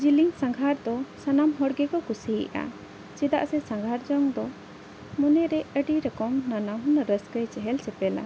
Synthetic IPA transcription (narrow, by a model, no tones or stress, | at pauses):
d͡ʒiliŋsãŋɡʱaɾd̪ɔsanamɦɔɽɡɛkɔkusḭʔa̰ | t͡ʃɛd̪a̰ʔsɛsãŋɡʱaɾd͡ʒɔŋd̪ɔ | mɔnɛɾɛəɖiɾɛkɔmnanaɦunaɾəskəjt͡ʃɛɦɛlt͡ʃɛpɛla̰